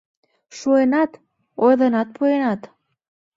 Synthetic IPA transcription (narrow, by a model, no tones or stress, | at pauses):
ʃuenat̪ | ojðanat̪̚pʰuenat̪